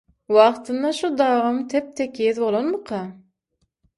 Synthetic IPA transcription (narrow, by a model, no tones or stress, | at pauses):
wɑχt̪ʰɨnd̪ɑʃud̪ɑːʁɑmt̪ʰep̚t̪ʰekʲijezbolˠonmɨqʰɑ